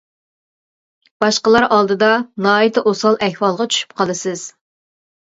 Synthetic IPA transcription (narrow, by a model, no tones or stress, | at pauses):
b̥ɑʃqəlˠɑɾʔɑlˠd̪ɨd̪ɑnɑːit̪ʰɨʔosɑlˠʔɛhwɑlˠʁɑt͡ʃʰy̥ʃy̥p̚qʰɑlˠɨsɨz̥